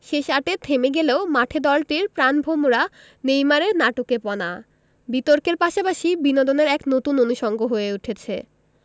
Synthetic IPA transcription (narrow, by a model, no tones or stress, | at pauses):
ʃeʃaʈet̪ʰemeɡeleomaʈʰed̪ɔlʈiɾpɾanbʱomoɾa | nejmaɾeɾnaʈokepɔna | bit̪oɾkeɾpaʃapaʃibinod̪oneɾɛknot̪unonuʃɔŋɡoɦoeuʈʰet͡ɕʰe